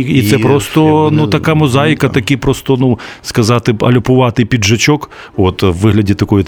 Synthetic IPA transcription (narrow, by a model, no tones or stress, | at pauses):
it̪sɛpɾost̪ɔnut̪ɐkamɔzɑjkɐt̪ɐkʲipɾɔst̪ɔnuskɐzɑt̪ɪɐlʲʊpʊʋɑt̪ɪjpʲidʐɐt͡ʃɔk | ot̪ʋːɪɦlʲɐdʲit̪ɐkɔji